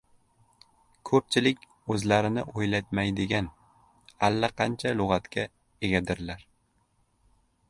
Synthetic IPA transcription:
kʰɵp̚t͡ʃʰɪlɪkʲ | ɵzlaɾɪnɪ̰ʔojlat̪majd̪ɪɡʲan | alːaqʰɑnt͡ʃʰalʊʁɑt̪kʲa | e̞ɡʲad̪ɪɾlaɾ

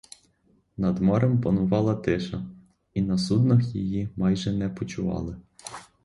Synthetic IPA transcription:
nɐd̪mɔɾɛmpɐnʊʋɑlˠɐt̪ɪʃɐ | inɐsud̪nɐxjijimɑjʒɛnɛpɔt͡ʃʊʋɑ̰lˠɪ

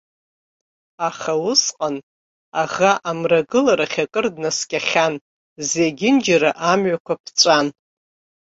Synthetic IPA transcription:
aχawʊsqʼan | aʁaʔamraɡɨlaɾaχʲakʼɨrdnaskʲʼaχʲan | zeɡʲɪnd͡ʒaɾaʔamɥakʷapʰt͡sʷʼan

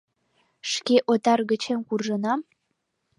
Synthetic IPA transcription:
ʃkeʔot̪ɑrɣə̆t͡ɕenkurʒə̆nɑm

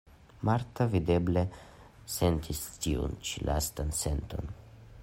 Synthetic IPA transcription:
maɾt̪avid̪e̞ble | se̞nt̪istiṵnt͡ʃilʔa̰st̪anse̞nt̪o̞̰n

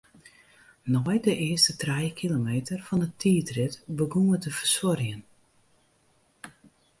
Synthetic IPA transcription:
nɔjdəʔɪəstətrɛjkʰilomeːtərfɔnətʰiːtrɪtbəɡumətəfərsɔrjən

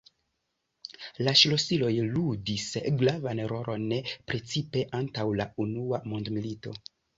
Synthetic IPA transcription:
laʃlo̞silo̞jludisɡlavaneɾo̞ɾʔo̞nːepɾe̞t͡sipe̞ʔantawlaunuamo̞ndmilito̞̰

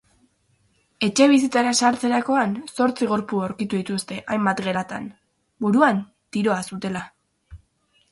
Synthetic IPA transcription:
e̞t͡ʃe̞β̞is̬it͡saɾasaɾt͡se̞ɾako̞anso̞ɾt͡siɣo̞ɾpuawɾkit̪uðit̪ust̪e̞ʔajmbat̪ɣe̞ɾat̪a̰n | buɾuan | t̪iɾo̞asut̪e̞la

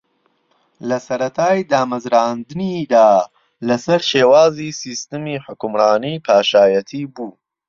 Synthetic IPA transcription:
lɐsɐɾɐt̪ʰaːjd̪aːmɐzɾaːnd̪ɨnid̪aː | lɐsɐɾʃeːwaːziːsiːst̪ɨmiːħʊkʊmraːniːpʰaːʃaːjɐt̪ʰiːbuː

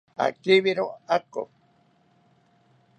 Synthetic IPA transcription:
a̰kiβiɾoako̰

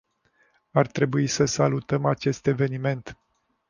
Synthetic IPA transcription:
art̪ɾe̞buisəsalut̪əmat͡ʃe̞st̪e̞ve̞nime̞nt̪

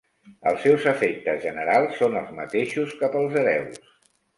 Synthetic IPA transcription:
ə̰lˠsːɛwzəfek̚t̪əzʒənəɾalˠsːonəlˠzmət̪eʃuskapəlˠzəɾɛws

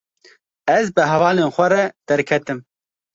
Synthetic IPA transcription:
ɛzbɨɦɛvɑːleːnxʷɛɾɛd̪̥ɛɾkʰɛt̪ɨm

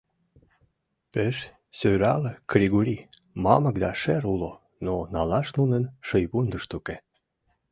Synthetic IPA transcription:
peʃ | søɾɑlə̆kɾʲiɣuɾʲi | mɑmə̆k̚d̪ɑʃeɾulo | nonɑlɑʃnunənʃəjβund̪əʃt̪uke

